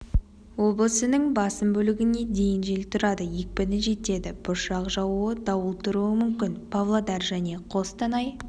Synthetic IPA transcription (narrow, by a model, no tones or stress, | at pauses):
wo̞blˠəsənəŋbɑsəmbɵlɪɡʲɪne̞d̪e̞jɪnʒelt̪ʰʊɾɑd̪əjek̚pɪnɪʒe̞t̪e̞d̪ɪb̥ʊʃɑqʒɑwuəd̪ɑwəlˠt̪ʰʊɾuəmʏmkʲɪnpʰavlˠad̪ɑɾʒæne̞qʰo̞st̪ɑnɑj